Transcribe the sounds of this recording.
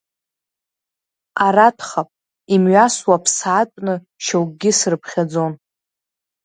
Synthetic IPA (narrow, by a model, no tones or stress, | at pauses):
aɾatʰχapʼ | imɥaswapʰsːtʷʼnɨ | ʃawɡɡʲɪsrɨpʰχʲad͡zo̞n